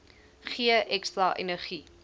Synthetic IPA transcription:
χiəʔɛkstrɐʔḛnəχi

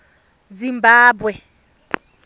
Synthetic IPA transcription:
d͡zimbaːbwɛ

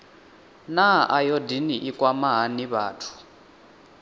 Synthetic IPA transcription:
naʔajɔdiniʔikʼwamaɦaniβaːtʰu̥

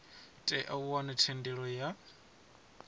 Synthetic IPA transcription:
tʼɛʔauwanatʰɛndɛɺɔja

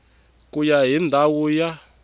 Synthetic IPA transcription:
kujaɦindʱawuja

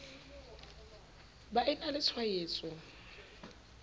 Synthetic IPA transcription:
baʔɪnalɪt͡sʰwajeːt͡sʼʊ

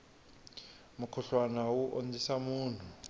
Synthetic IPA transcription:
mukʰɔɬwanawuʔond͡zʱisamuːntʰu

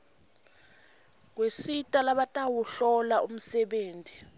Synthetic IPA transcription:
k̬wesitʼalaɓatʼawuɬɔlaʔum̩sɛɓeːntʼi

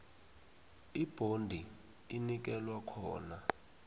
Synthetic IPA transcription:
ib̥ʱondʱi | inik̬ɛlwakʰɔːna

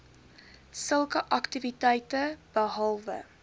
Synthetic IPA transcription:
səlˠkəʔɐktivitɛjtəb̥əɦɐlˠvə̰

